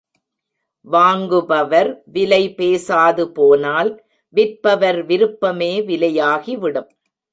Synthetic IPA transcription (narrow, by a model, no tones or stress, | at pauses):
ʋaːŋɡɯbɐʋɐɾʋɪlɐɪpeːsaːðɯpoːnaːl | ʋɪɾpɐʋɐɾʋɪɾɯpːɐmeːʋɪlɐjaːɣiʋɪɽɯm